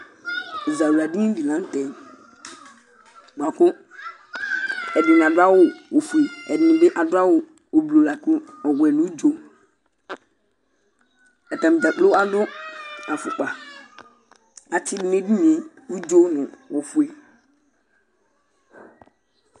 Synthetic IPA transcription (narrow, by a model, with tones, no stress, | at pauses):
i˨za˨u˨la˨dĩ˦di˨lã˦n˦tɛ˨n | ɡ͡ba˨kʊ˦ | ɛ˨dɪ˨n˨a˨dʊ˦a˦wʊ˨wo˨fu˨e˨ɛ˨dɪ˨nɪ̃˨bɪ˦ʔa˨dʊ˦a˦wʊ˨ | o˨blo˨la˨kʊ̃˦ɔ˨ɡɛ˨nʊ̃˨˦u˦d͡ʒo˦ | ɛ˨tã˨m˨d͡ʒa˨k͡plo˦a˦dʊ˦a˨fʊ˨k͡pa˨ | a˨t͡ʃʰɪ˦dɪ˦n˦e˦di˦mĩ˨˦ | u˦d͡ʒo˦nʊ̃˨wo˨fʊ˨e˨